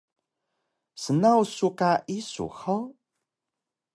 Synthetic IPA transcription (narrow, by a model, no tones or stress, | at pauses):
sənawsukaʔisṵxol